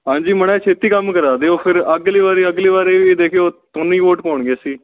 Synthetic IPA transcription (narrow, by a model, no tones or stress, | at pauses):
ɦãːɲd͡ʒiːmənɛ̃ːt͡ʃʰeːt̪iːkəmkəɾaːd̪eːoːpʰɪɾəɡleːʋaːɾeːəɡleːʋaːɾeːʋid̪eːkʰeoːt̪ʊniːʋoːʈkoːɳɡeːsiː